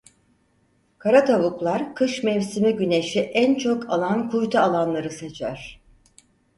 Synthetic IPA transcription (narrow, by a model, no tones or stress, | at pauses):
kʰaɾat̪ʰaβuklˠaɾkʰɯʃmɛvsimiɟyne̞ʃiʔænt͡ʃʰokʰalˠankʰujt̪ʰaːlˠanlˠaɾɯse̞t͡ʃʰæ̰ɾ̥